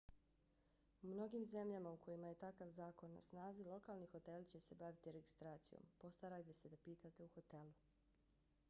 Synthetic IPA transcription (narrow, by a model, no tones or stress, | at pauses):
mno̞ɡimze̞mʎamaukʰo̞jimaje̞t̪akaʋzaːko̞nːa̰snaːzilˠo̞kalˠnixo̞t̪elˠt͡ɕe̞se̞baʋit̪iɾe̞ɡist̪ɾaːt̪sijo̰mpo̞st̪aɾajt̪e̞se̞d̪apiːt̪at̪e̞uxo̞t̪e̞lu